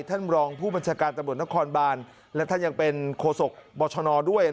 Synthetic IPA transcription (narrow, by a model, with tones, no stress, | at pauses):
t̪ʰa˥˩nɾɔː˧ŋpʰuː˥˩ba˧nt͡ɕʰaː˧kaː˧nt̪a˧mɾu˨˩ət̪n˦˥kʰɔː˧nbaː˧n | lɛ˦˥wt̪ʰa˥˩nja˨˩ŋpe˧nkʰoː˧so˨˩k̚bɔː˧t͡ɕʰɔ˧nɔː˧du˥˩əj